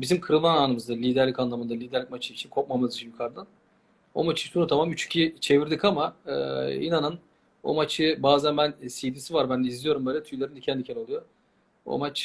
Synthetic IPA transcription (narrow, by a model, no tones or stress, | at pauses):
bizimkʰɯɾɯlˠmanaːnɯmɯzd̪alʲiːd̪æɾlʲickanlˠamɯnd̪alʲiːd̪æɾlʲicʲmat͡ʃʰɯit͡ʃʰinkʰo̞k̚mamazit͡ʃʰinjukʰaɾd̪an | o̞̰mat͡ʃʰɯ̥sunut̪ʰamamyt͡ʃʰy̥cʰit͡ʃʰe̞viɾd̪ikamaɯḭnanɯn | o̞̰mat͡ʃʰɯbaːzænbænsijd̪isivaɾbænd̪ɛizlijo̞ɾumbøjlʲɛt̪ʰujlˠaɾɯnd̪icʰɛnd̪icʰelʲo̞lˠujo̞ | o̰mat͡ʃ